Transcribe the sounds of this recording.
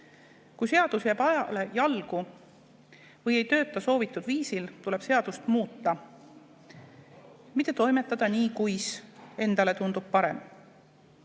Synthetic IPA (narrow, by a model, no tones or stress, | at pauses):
kujse̞ɑd̪̥usjæb̥ɑjɑ̰le̞jɑlɡu | vɤje̞jt̪ø̞ːt̪ːˑɑso̞ːvit̪ːˑud̪̥viːsilt̪ule̞b̥se̞ɑd̪̥ust̪muːt̪ːˑɑ | mit̪ːˑe̞t̪o̞jme̞t̪ˑːɑd̪̥ɑniːkujse̞nd̪̥ɑle̞t̪und̪ub̥̚pɑɾem